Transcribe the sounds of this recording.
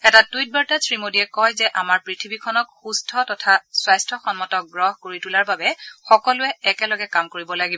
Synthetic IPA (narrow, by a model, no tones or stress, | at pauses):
ɛtatujt̚baɹtasɹimodiɛkɔjzɛʔamaɹpɹitʰibikʰɔnɔkxustʰɔtɔtʰaswajstʰɔxɔnmɔtɔk̚ɡɹɔɦkoɹitulaɹbabɛxɔkɔlʊɛɛkɛlɔɡɛkamkoɹibɔlaɡibɔ